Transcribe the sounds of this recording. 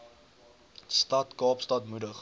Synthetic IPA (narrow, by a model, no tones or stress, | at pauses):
stɐtkɑːpstɐtmudəχ